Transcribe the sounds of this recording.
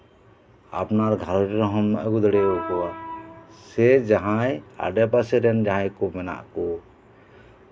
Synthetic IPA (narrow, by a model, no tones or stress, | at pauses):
a̰pnaɾɡʱalɾiɾɔɦɔmːɛʔɡud̪ɽɛɔkɔwa | sɛd͡ʒaɦãja̰ɖɛpasɛɾɛnd͡ʒaɦãjkɔmɛna̰ʔkɔ